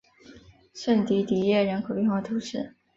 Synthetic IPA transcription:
ʂə˥˩nt̪i˧˥t̪i˨˩jɛ˥˩ɻə˧˥nkʰo˨˩ʊpy˥˧nxwɑ˥˩t̪ʰu˧˥ʂɻ̩˥˩

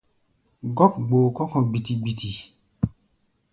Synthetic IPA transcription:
ɡɔ˦kɡ͡bo˨kɔ˦kɔ̃˨ɡ͡bi˨ti˨ɡ͡bi˨tʰi˨

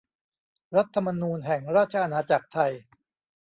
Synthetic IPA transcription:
ɾa˦˥t̪ʰːa˧ma˧nuː˧nɦɛ˨˩ŋɾaː˥˩t̪̚t͡ɕʰa˧ʔa˧naː˧t͡ɕa˨˩k̚t̪ʰa˧j

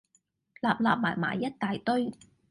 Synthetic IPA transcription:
laː˨˩p̚laː˨p̚ma̰ː˨˩jma̰ː˨˩jːɐ˦˥t̚t̪aː˨˩jt̪ɵ˥ɥ

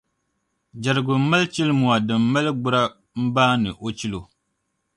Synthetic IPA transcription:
d͡ʒa˨ɾɨ˨ɡʊ˨˦ma˦lt͡ʃi˦lmu˨a˨dɨ˨mːa˦lɨ˦ɡ͡bʊ˦ɾa˦ | m̩˦baː˦nɨ˨ʔo˨t͡ʃi˦lo˨

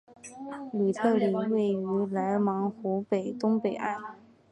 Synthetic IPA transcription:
ly˨˩t̪ʰɤ˥˩li˨˩we˥˩ɪy˧˥la˧˥ɪmɑ˧˥ŋxu˧˥pe˨˩ɪt̪ʊ˥ŋpe˨˩ɪʔa˥˩ɪ

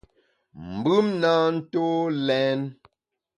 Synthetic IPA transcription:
m̩˨bʉ˦mna˦n̩˦to˦lɛ˦n

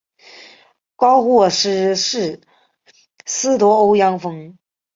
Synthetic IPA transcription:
kɑ˥ʊxwɔ˥˧ʂɻ̩˥ʂɻ̩˥˩ | sɹ̩˥t̪wɔ˥o˥ʊjɑ˥ŋfɤ˥ŋ

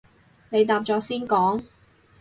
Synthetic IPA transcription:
ne˨˧jt̪aː˧p̚t͡ʃt͡sɔː˨˥siː˥nkɔː˨˥ŋ

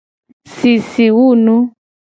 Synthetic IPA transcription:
si˨si˨wu˦˨nu˦

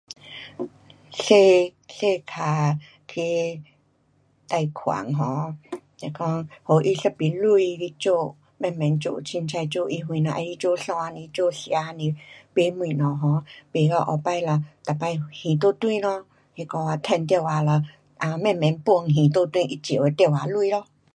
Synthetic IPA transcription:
ɬe˧ɬe˧˨kʰa˨˩˨ | t̪ʰi˧ | t̪a˧jkʰwa̰˨ŋɦɔ̃˧˦te˧kɔ˦ŋho˨ʔi˧ɬə˧pi˨lu˧i˧li˧t͡ɕo˧˨ | mɛ̃˧˨mɛ˨˦nt͡ɕo̰˧˨t͡ɕʰi˧nt͡sʰa˧t͡ɕo˥˧˨ʔi˧ɦw̃ĩ˧˨nã˧ʔa˧i˧˦t͡ɕo˥˧˨ɬɔ̃˧a˧nĩ˧t͡ɕo˥˧˨sja˧˦˧nĩ˧pe˧˦mwĩ˧˨nɔ̃˨ɦɔ̃˨˧˦pe˨lɔ˧˦ʔɔ˧˨pa˧jla˧˩t̪a˨˩pa˧jhĩ˨t̪̬o˦t̪wĩ˧lɔ˧˦ | he˧kɔ˧a˧t̪ʰɛ˧˨nt̪ja˧˨wa˨˦lɔ˧˩ | ʔa˧mɛ̃˧˨mɛ̃˨˦npu˧ŋɦĩ˨t̪̬o˦t̪wĩ˧ʔi˧t͡ɕe˨e˧t̪ja˧˨wa˨lu˧i˧lɔ˧˦

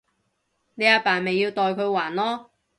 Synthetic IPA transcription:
ne˨˧jaː˧paː˨˩nme˨jːiː˧wt̪ɔː˧jkʰɵ˨˧ɥwaː˨˩nlɔː˥

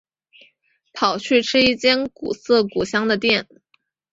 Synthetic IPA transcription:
p̪ʰɑ˨˩ʊt͡ɕʰy˥˩ʈ͡ʂʰɻ̩˥i˥˩t͡ɕjɛ˥nkṵ˨˩sɤ˥˩ku˨˩ɕjɑ˥ŋd̪ə˨t̪jɛ˥˩n

